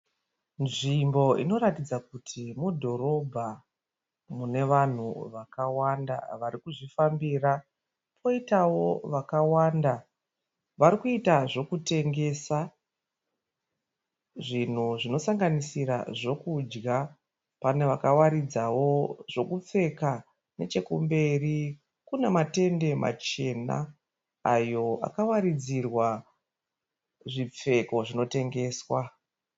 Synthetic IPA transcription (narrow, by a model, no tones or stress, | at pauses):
nʐimbo̞ḭno̞ɾatid͡zakutʰimudʱo̞ɾo̞bʱa | mune̞ʋan̤uʋakawanda̰ʋaɾikuʐifambira | pʰo̞itawo̞ʋakawanda | ʋaɾikuitaʐo̞kute̞ŋɡe̞sa | ʐin̤uʐino̞saŋɡanisiɾa̰ʐo̞kud͡ʒɡa | pane̞ʋakawaɾid͡zawo̞ʐ̥o̞kup͡fe̞ka | ne̞t͡ʃe̞kumbe̞ri | kunemate̞nde̞ma̰t͡ʃe̞na̰ː | jo̞a̰kawaɾid͡zirwa | ʐip͡fe̞ko̞ʐino̞te̞ŋɡe̞ːswa